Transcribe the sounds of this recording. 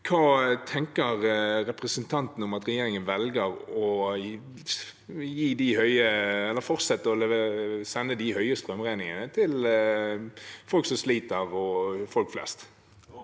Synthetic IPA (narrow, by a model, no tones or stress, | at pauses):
kʰɑːt̪ʰɛŋkəɾɾɛpɾəsənt̪ʰɑnt̪n̩ɔmɑt̪ɾɛjeːɾɪŋənʋɛlɡəɾɔ | jiːd̪ɪhœʏəɛlːəɾfɔʁt̪sɛt̪ːəɔlɛʋsɛnːəd̪ɪhœʏəst̪ɾœmʁæɪnɪŋənət̪ʰɪl | fɔlksɔmsliːt̪əʁɔfɔlkflɛ̰st̪